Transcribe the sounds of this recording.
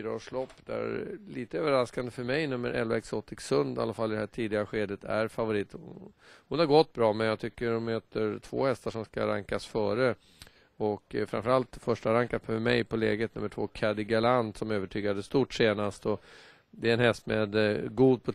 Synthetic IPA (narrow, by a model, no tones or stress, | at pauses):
ɾaoːʂlɔpːd̪æ̰ɾliːt̪əøːvəɾaskand̪əfœɾmɛjnɵmːə̰ɾʔɛ̰lvaɛksoːt̪ɪksɵnd̪a̰lːafalːɪd̪ɛhæːʈʰiːd̪ɪɡaɧeːd̪ət̪ʰæ̰ɾfavʊɾiːt̪ | hʊnhaɾɡɔt̪ːbɾɑːmɛnjaɡt̪ʰʏkːəɾɔnmøːt̪ʰəɾtʰv̥o̰ːhɛst̪aʂɔmska̰ɾa̰ŋkasfœːɾə | ɔkfɾa̰nfəɾalt̪fœʂʈaɾaŋkafœmɛjpʰɔlɛːɡət̪nɵmːəʈʰvoːkʰad̪ɪɡaland̪sɔmøːvəʈʰyːɡad̪əst̪uːʈseːnast̪ɔ | d̪ɛɛnhɛst̪mɛd̪ɡuːd̪̚pʰɔ